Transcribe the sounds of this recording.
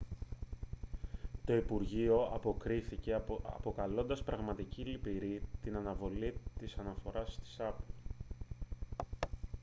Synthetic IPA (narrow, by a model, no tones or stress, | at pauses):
t̪o̞ipuɾʝio̞ɐpo̞kɾiθice̞ɐ̰po̞kɐlo̞nd̪ɐspɾɐɣmɐt̪icilipiɾit̪inɐnɐvo̞lit̪isɐnɐfo̞ɾɐst̪i̥sɐpl